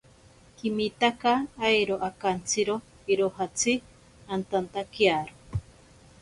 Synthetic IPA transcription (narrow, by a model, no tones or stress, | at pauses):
kimit̪akaːjɾoʔakant͡sʰɨɾo | iɾohat͡sʰi | ant̪ant̪akjaɾo